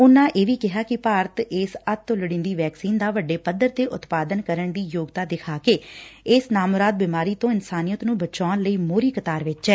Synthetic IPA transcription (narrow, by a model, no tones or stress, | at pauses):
ʊnãːʔeːʋiːkɪɦaːkɪpaːɾət̪ɪːsət̪ːʊlɽĩːnd̪iːʋɛːksiːnd̪aːʋəɖːeːpəd̪əɾt̪eːʔʊt̪paːd̪ənkəɾəɳd̪iːjoːɡt̪aːd̪ɪkʰaːkeːɪsnaːmʊɾaːd̪̚biːmaːɾiːt̪õːɪnsaːnijət̪nũːbət͡ʃaːnləiːmoːɾiːkət̪aːɾʋɪt͡ʃɛː